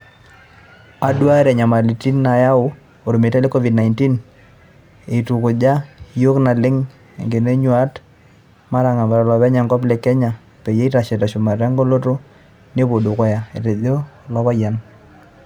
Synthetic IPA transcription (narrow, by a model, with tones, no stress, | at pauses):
a˨dwa˦e˦ɾɛ˨ɲa˨ma˨li˨ti˦nːa˨ja˦ʊ˦ | o˨ɾo˨me˨ta˦le˦kɔ˦vi˨dna˨ɪnti˦n | e˨i˨tu˨kʊ˨d͡ʒa˦jo˦kna˨lɪ˦ŋ | ḛ˨ŋɡe˨ne˦ɲwa˦t | ma˦ɾa˨ŋa˨ba˨ɾa˨lɔ˨βɛ˦ɲa˨ŋɡɔ˦p̬lɛ˨kɛ˦ɲa˨ | pe˨je˦i˦ta˨ʃe˨ta˨ʃʊ˨ma˨ɾa˦ŋɡo˦lo˦to˦ | ne˦bo˨du˨kɔ˦ja˨ḛ˨ɾe˨ðo˦˨lɔ˦βa˦ja˨n